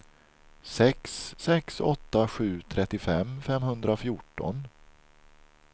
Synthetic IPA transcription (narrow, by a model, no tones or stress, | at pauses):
sɛksːɛksɔt̪ːaɧʉ̟ːt̪ʰɾɛt̪ːɪfɛmːfɛmhɵnd̪ɾafjʊʈːɔ̰n